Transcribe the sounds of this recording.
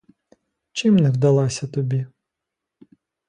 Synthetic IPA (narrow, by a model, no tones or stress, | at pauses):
t͡ʃɪmnɛwd̪ɐlˠɑsʲɐt̪ɔbʲi